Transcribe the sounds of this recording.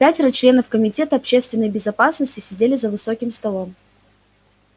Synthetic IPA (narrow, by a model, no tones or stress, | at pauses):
pʲætʲɪɾət͡ɕlʲe̞nəfkəmʲɪtʲe̞t̪əɐpɕe̞st̪vʲɪnːəjbʲɪzɐpasnəsʲtʲɪsʲɪdʲelʲɪzəvɨso̞kʲɪmst̪ɐlˠo̞m